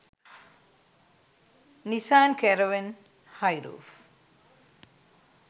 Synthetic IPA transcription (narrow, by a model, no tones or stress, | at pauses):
nisaːnkeɾoʋin | hajɾṵːf